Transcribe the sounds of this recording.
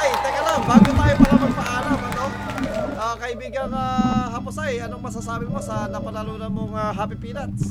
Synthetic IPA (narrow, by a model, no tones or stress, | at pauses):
ajt̪ɛŋɐlambaːɡot̪aːjomɐŋɐmɐɡ̚pɐʔaːlɐmɐno̞ | ʔakɐʔɪbiːɡɐŋɐɦaːposɐjɐnoŋmɐsasaːbɪmosɐnɐpɐlɐluːnɐnmoŋaɦɐpɪpiːnɐns